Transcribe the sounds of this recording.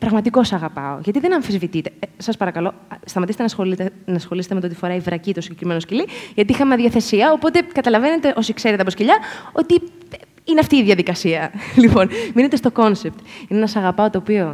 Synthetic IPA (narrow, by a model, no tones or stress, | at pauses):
pɾɐɣmɐt̪iko̞sɐɣɐpɐ̰o̰ʝɐt̪iðe̞nɐɱfizvit̪it̪e̞sɐspɐɾɐkɐlo̞ | st̪ɐmɐt̪ist̪nɐsxonɐsxo̞liset̪emt̪ot̪ifo̞ɾɐivɾɐcit̪osiɲɟekɾimeno̞sciliʝɐt̪iixɐmeɐðʝɐθe̞siɐopo̞t̪e̞kɐt̪ɐlɐve̞ne̞t̪e̞ʔo̞sikse̞ɾet̪eɐposciʎɐo̞t̪i | ineɐft̪iːðʝɐðikɐsiɐlipo̞nmine̞t̪est̪o̞ko̞nsep̚t̪ineenɐsɐɣɐpɐo̞t̪o̞ːpio̞